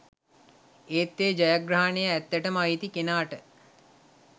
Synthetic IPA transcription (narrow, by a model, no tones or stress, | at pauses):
eːt̪ːeːd͡ʒajaɡɾaɦanejəæt̪ːæʈəmait̪ikenaːʈə